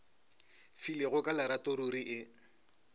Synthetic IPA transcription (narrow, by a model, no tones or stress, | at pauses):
fileɣʊkʼalaɾatoɾuɾiʔɪ